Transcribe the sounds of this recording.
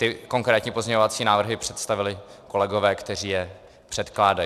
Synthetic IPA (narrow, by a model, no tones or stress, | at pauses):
t̪ɪko̞ŋkɾɛːt̪ɲiːpozɲɛɲovat͡siːnaːvr̩ɦɪpr̝̥ɛt̪st̪avɪlɪko̞lɛɡovɛːkt̪ɛriːjɛ | pr̥ɛt̪klaːda